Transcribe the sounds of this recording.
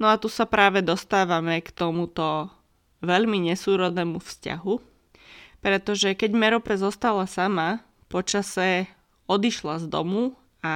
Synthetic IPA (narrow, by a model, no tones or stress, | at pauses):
nɔat̪usapɾaːʋɛd̪ɔst̪aːʋamɛkt̪ɔmut̪ɔ | ʋɛʎmiɲɛsuːɾɔd̪nɛːmufsca̰ɦu | pɾɛt̪ɔʒɛkɛɟmɛɾɔpɛzɔst̪alasama | pɔt͡ʃasɛ | ɔd̪iʃlazd̪ɔ̰mu | a